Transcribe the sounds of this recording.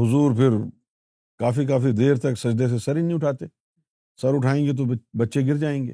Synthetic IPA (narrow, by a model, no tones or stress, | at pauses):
ɦʊzuːɾpʰɪɾ | kaːfik̬aːfid̪eːɾt̪ɐksɐd͡ʒd̪es̬esɐɾinĩʊʈʰaːt̪eː | sɐɾʊʈʰaːẽːŋɡet̪̬obɐtːʃeɡɪɾd͡ʒaːẽːŋɡḛː